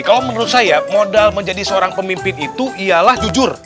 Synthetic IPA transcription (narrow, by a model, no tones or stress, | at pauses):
kalowmənəɾʊt̪̚sajamodalməɲd͡ʒadisəoɾaŋpəmimpɪnit̪uʔijalahd͡ʒud͡ʒʊr